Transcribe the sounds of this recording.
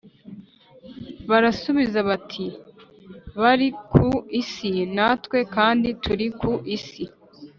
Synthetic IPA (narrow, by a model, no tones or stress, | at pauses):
βaɾasuβizaβatʰi | βaɾikʰuisinaːtwe̞kaːndituɾikuʔisi